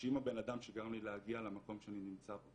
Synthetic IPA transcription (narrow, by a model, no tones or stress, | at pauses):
imabe̞nad̪amʃeɡaamlileaɡialamako̞mʃeaninimt͡sabo